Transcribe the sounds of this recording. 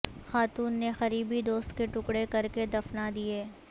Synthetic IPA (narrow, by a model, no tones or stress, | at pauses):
xaːt̪uːnːexɐɾiːbid̪oːst̪keʈʊkɽekɐɾked̪ɐfnad̪ieː